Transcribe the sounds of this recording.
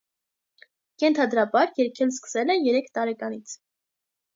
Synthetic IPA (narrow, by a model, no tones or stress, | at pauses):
jɛnt̪ʰɑd̪ɾɑbɑɾjɛɾkʰɛlskə̥sɛlɛnjɛɾɛkʰt̪ɑɾɛkɑnit͡sʰ